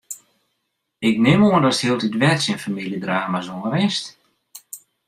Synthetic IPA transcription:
ɪk̚nɪmoəndɔtthiəlˠtidʋɛtsinfamiljədraːmazoməɾɪst

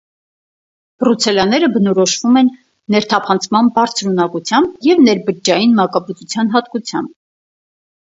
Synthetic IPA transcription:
b̥ɾut͡sʰɛlɑnɛɾəbənɔɾɔʃvumɛnː | ɛɾt̪ʰɑpʰɑnt͡sʰmɑnbɑɾt͡sʰɾunɑkut͡sʰjɑmbjɛvnɛɾbəd͡ʒɑjinmɑkɑbət͡sut͡sʰjɑnɦɑt̪̚kut͡sʰjɑ̰mb̚

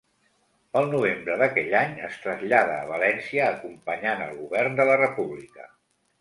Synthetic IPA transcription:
əlˠnuβembɾəðəkɛʎaɲəst̪ɾəzʎaðəːβəlɛnsiəːkumpəɲanə̰lˠɣuβɛrnd̪ələrəpuβlikə̰

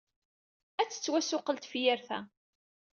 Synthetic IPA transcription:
æt͡sːə̥t͡sːwæsʊqəlt̪fjæɾθæ̰

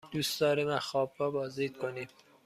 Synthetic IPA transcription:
d̪̥uːsd̪ɒːɾemæxɒːbrɒːbɒːzd̪iːd̪̥̚kʰoniːm

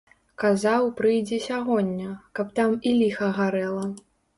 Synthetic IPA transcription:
kazawpɾɨjd͡zʲɛsʲaɣɔnʲːɐkɐp̚t̪amilʲixɐɣaɾɛlˠɐ

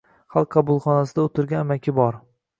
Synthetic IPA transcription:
χɑlˠq̚ʰqʰɑbʊlˠχɒnas̬ɪd̪aot̪ʰɪɾɡʲamakʲʰɪbɒɾ

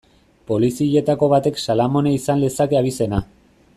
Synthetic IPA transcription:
po̞lisiʎe̞t̪ako̞βat̪e̞ksalamo̞neisanlesake̞aβ̞ise̞na

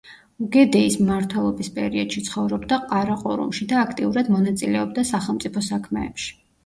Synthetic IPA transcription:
uɡɛd̪ɛismmaɾt̪ʰwɛlˠɔbispʼɛɾiɔd̪̥ʃit̪sʰχɔvɾɔbd̪aqʼaɾaqʼṵɾṵmʃid̪aːkʰt̪ʼiuɾad̪mɔnat̪sʼilɛɔb̚d̪asaχɛlˠmt̪sʼipʰɔsakʰmɛːpʃi̥

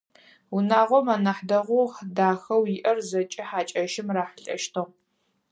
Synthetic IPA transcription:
unaːʁʷɔmanɐħdɐʁʷuħdaːxɐwjɪʔɐrzɐt͡ʃʼɪħaːt͡ʃʼɐʃɪmraːħəɬʼɐ̰ʃtʰo

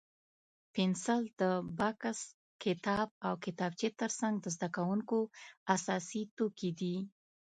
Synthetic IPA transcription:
pɪnsald̪̥əbakas | kɪt̪ɑb̚awkɪt̪ɑb̚t͡ʃet̪əɾsaŋɡd̪əzd̪akawuŋkoasɑsit̪okid̪i

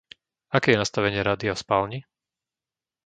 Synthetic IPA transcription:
akɛːjɛnast̪aʋɛɲɪɛɾad̪iɔspaːlɲi

